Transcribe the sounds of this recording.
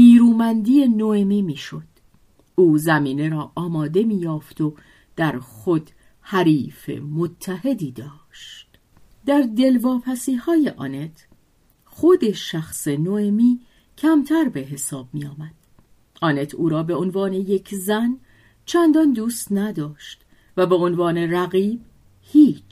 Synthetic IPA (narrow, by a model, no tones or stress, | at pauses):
niːɾuːmænd̪ije̞noemiːmiːʃo̞d̪̥ | uːzæmiːne̞ɾɒːʔɒːmɒːd̪e̞miːjɒːft̪ʰo̞ | d̪̥æɾxo̞d̪̥ | hæɾiːfḛmot̪ʰːæhe̞d̪iːd̪ɒːʃt̪ | d̪̥æɾd̪e̞lvɒːpʰæsiːhɒːje̞ʔɒ̰ːne̞t̪ʰ | χod̪e̞ʃæxsenoemiː | cʰæmt̪ʰæɾbe̞ɦe̞sɒːb̚mijɒːmæd̪̥̚ | ʔɒːne̞t̪ʰuːɾɒːbe̞onvɒːne̞je̞cʰzæn | t͡ʃʰænd̪ɒnd̪uːst̪næd̪ɒːʃt̪ | væbe̞onvɒːne̞ræɣiːb̥ | hiːt͡ʃ